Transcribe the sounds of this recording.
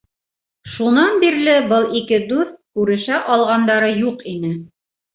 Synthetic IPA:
ʃunɑnbiɾlɘbɤlˠikɘd̪ʉɾkʉɾɘ̆ʃæʔɑlˠʁɑnd̪ɑɾɤjuqinɘ

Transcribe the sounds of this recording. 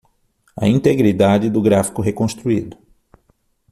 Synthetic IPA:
ɐ̰ĩnt̪eɡɾid̪ad͡ʒɪd̪ʊɡɾafi̥kʊɦekõst̪ɾuid̪ʊ

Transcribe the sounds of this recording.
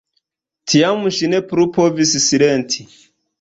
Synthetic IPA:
tʰiamuʃinepuɾupʰɔvisisiɾɛntʰi

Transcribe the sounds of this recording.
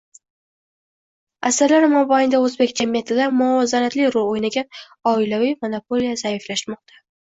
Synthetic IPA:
asaɾlaɾmɒbajnd̪aɵzbe̞kʲd͡ʒamijat̪ʰɪd̪amʊɒzaɾat̪lɪɾʊojnaɡʲa | ɒɪlavijmonopʰo̞lijazaɪflaʃmɒq̚t̪ʰḁ

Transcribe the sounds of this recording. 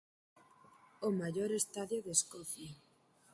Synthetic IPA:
omaʝoɾest̪aðjoðeskɔθja

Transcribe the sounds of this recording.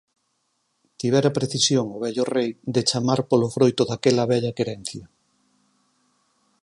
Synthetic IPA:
t̪iβ̞ɛɾapɾeθisjoŋʊβ̞ɛʎʊrejd̪et͡ʃamaɾpolofɾojt̪oðakɛlɐβɛʎɐkeɾɛn̟θjɐ

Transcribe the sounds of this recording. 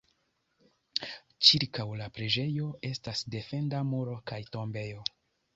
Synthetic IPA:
t͡ʃiɾkawlapɾe̞d͡ʒe̞jo̞e̞stasde̞fe̞ndamuɾo̞kajto̞mbe̞jo̞

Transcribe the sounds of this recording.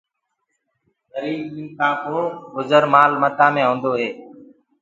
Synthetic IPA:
zəɾiːmĩːnkãːkũɡʊzəɾmaːlmət̪aːmẽːɦõːnd̪oːɦeː

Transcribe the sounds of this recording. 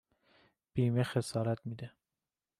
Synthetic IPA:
b̥iːmexesɒːɾæt̪miːd̪e

